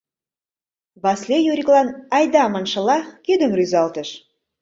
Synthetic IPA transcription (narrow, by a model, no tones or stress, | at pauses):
βɑslʲejuɾʲiklɑnɑjd̪ɑmɑnʃɤ̆lɑkyd̪ə̆mryzɑlt̪əʃ